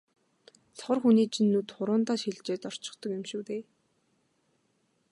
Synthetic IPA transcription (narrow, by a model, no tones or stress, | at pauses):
sχɔrxuniːt͡ɕʰinːut̪χʊɾʊːnt̪aːʃiɮt͡ɕeːt̪ɔr̥t͡ɕɪ̆χt̪ɞ̆kʊmʃuːt̪eː